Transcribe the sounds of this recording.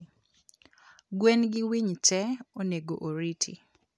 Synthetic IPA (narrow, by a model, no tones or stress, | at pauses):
ɡwenɡɪwiɲtɛoneɡoʔoɾitʰḭ